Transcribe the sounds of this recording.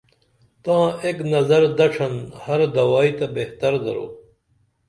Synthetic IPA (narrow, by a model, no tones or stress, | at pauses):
t̪ãːeːknɐzɐɾd̪ɐʈ͡ʂʰɐnhɐɾd̪ɐwaːit̪ɐbeht̪ɐɾd̪ɐ̰ɾo̰ː